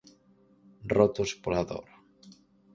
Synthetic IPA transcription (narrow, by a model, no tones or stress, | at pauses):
rot̪ospolaðo̰ɾ